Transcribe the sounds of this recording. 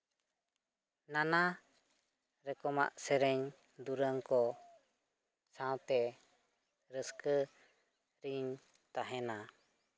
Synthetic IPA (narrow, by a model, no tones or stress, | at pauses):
nana | ɾɛkɔma̰ʔsɛɾɛɲ | d̪uɾəŋkɔ | sãwt̪ɛ | ɾəskə | ɾiɲ | t̪aɦɛna